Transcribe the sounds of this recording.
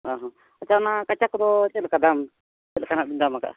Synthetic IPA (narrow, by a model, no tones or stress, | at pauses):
aɦɔ | at͡ʃanakat͡ʃakd̪ɔt͡ʃɛlakad̪am | t͡ʃɛlakanaʔbind̪amaka̰ʔ